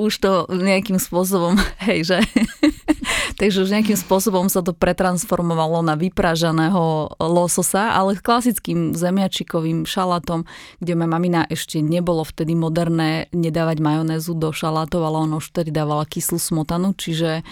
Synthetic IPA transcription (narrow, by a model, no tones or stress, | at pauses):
uʃt̪ɔɲɛakimspʊɔs̬ɔbɔmɦɛjʒɛ | t̪aɡʒɛuʒɲɛakimspʊɔsɔbɔmsat̪̬ɔpɾɛt̪ɾansfɔɾmɔʋalɔnaʋipɾaʒanɛːɦɔlɔsɔsaʔa̰lɛsklasit͡skimzɛmɪat͡ʃikɔʋimʃalat̪ɔmɡɟɛmajamaminaʔɛʃcɛɲɛbɔlɔft̪ɛd̪imɔd̪ɛɾnɛːɲɛd̪aːʋaɟmajɔnɛːzud̪ɔʃalat̪ɔʊalɛɔnauʃft̪ɛd̪id̪aːʋalakislusmɔt̪anut͡ʃiʒɛ